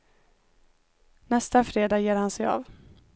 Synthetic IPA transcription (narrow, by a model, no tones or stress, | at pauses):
nɛst̪afɾeːd̪ɑːjeːɾhansɛjɑ̰ːv